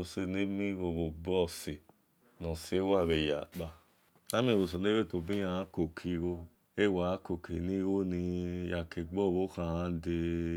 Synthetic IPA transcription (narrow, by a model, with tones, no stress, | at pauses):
o˧˨se˧ni˦mĩ˦wo˧˨βo˨bɔ˦˨se˨ | nɔ̃˨se˨˦wa˦˨ɾe˨ja̰˨k͡pa˧ | a˦mĩ˦˨o˧˨s̬o˧˨ne˦e˦˨to˧˨bi˦ã˧ã˦ko˨kʰi˨ɾo˧ | e˦˨wa˨˦ko˨kʰe˨nĩ˦ɣo˦nĩ˧ja˨ke˨ɡ͡bɔ˦˨wo˦kã˧˨hã˦de˧